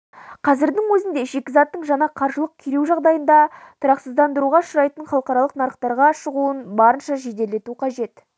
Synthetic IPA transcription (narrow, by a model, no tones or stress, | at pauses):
qʰɑzɪɾd̪ɪŋwɵzɪnd̪e̞ʒe̞kʲɪzɑt̪ːəɴʒɑnɑqʰɑɾʒəlˠəq̚kʲʰeɾewʒɑʁd̪ɑjənd̪ɑt̪ʰʊɾɑqsəzd̪ɑnd̪əɾuʁɑʃʊɾɑjt̪ənχɑlˠəqɑɾɑlˠəqnɑɾəqt̪ɑɾʁɑʃəʁuənbɑɾənʃɑʒe̞d̪e̞le̞t̪uqʰɑʒe̞t̪